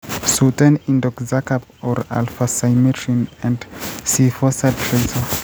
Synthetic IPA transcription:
sutãnĩndɔkzakap | ɔɹa̰lfasajmitʰɹĩnɛ̃ndsifɔsad̚tʰɹezə

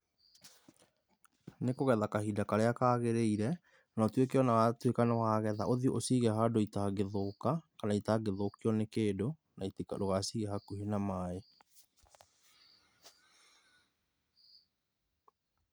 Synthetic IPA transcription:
nekoɣɛðakahidakaɾeakaːɣeɾeiɾɛ | nɔtwek̬eɔnawatwekanawaːɣɛða̰ʔoðioʔosiɣɛɦadoitaɡeðokakanaitaɡeðokiɔnekeːdo | naitika̰doɣasiːɣɛhakuhenamaːe

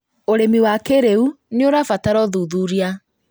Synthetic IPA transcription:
oɾemiwakeɾeuneoɾafataɾɔðuðuɾia

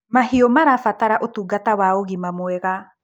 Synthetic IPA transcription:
mahiomaɾafataɾaʔotuɡatawaoɣimamoɛɣa

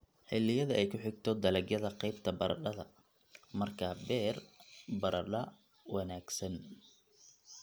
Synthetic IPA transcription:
ħɪlːɪjɐðɐʔɛjkʰʊħɪɡ̚t̪ʰɔd̪ɐlɛɡjɐðɐqɛjbt̪ʰɐbɐɾɐ̰ɖɐðɐ | mɐrkʰaːbɛːrbɐɾʔɐɖɐ | wɑnaːɡsɐn

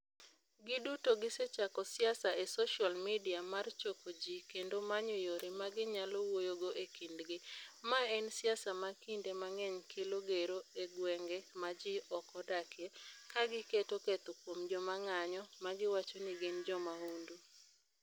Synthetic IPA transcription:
ɡɪdutoɡɪset͡ʃakɔsɪasaesoʃalmidiamart͡ʃokod͡ʒikendomaɲojoɾemaɡɪɲalɔwojoɡoʔekindɡɪmaɛnsɪasamakindemaŋɛɲkʰɪloɡeɾoeɡwɛŋɡemad͡ʒiʔɔkɔdakʰjekaɡɪketoket̪opwomd͡ʒɔmaŋaɲɔmaɡɪwat͡ʃonɪɡɪnd͡ʒɔmaundu

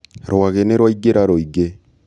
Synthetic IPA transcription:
ɾoaɣeneɾwaiɡeɾaɾoiɡe

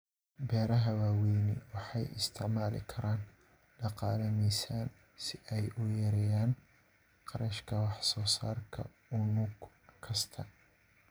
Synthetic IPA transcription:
bɛːɾɐɦɐwaːwɛjnɪ̰wɑħɑjɪ̰st̪ʰɪʕmaːlɪ̰kʰɐɾaːn | ɖɑqɑːlɐmɛjsaːn | sɪʔɛjʊjɐɾɛjaːn | qɑɾɐʃkʰɐwɑħsɔːsaːrkʰɐ̰ | ʊnuɡ | kʰɐst̪ʰɐ

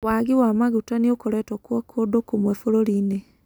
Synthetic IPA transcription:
waɣiwamaɣutaniokoɾɛtɔkwɔkʰodokumwɛfoɾoɾine

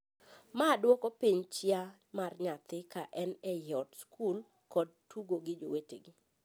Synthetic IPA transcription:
madwɔkɔpiɲt͡ʃjɪa | marɲat̪ɪkaʔɛnɛjɔtskʰul | kɔd̚tuɡoɡɪd͡ʒowetḛɡɪ

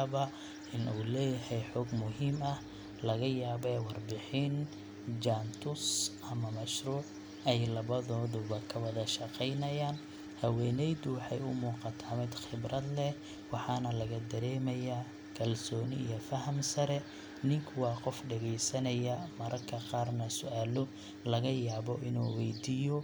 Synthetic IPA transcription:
βɐ | ʔɪnuːlɛːjɐhɛjħɔːɡmʊɦiːmɐh | lɐɣɐjaːβɛwɑrbɪħɪn | d͡ʒaːnt̪ʰʊsʔɐmɐmɐʃruːʕ | ɛjlɐβɐðɔːðʊβɐkʰɐwɐðɐʃɐqɛjnɐjaːn | hɐwɛːnɛjðʊwɑħɑ̰jʊmuːqɑt̪ʰaːmɪd̪xɪbrɐd̪lɛ | wɑħɑːnɐlɐɣɐd̪ɐɾɛːmɐja | kʰɐlsɔːnɪ̰ḭjɔfɐɦɐmsɐɾɛ | nɪŋkʰʊwɑːqɔfɖɐɣɛjsɐnɐjɐmɐɾʔɐkʰɐqɑːrnɐsʊʔaːlʊ | lɐɣɐjaːβɔʔɪnuːwɛjd̪iːjɔ

